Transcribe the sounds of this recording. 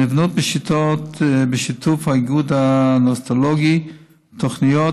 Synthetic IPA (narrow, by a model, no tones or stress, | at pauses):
nivnut̪̚bəʃit̪ot̪bəʃitufhaɡud̪anost̪alɔɡi | toχnijo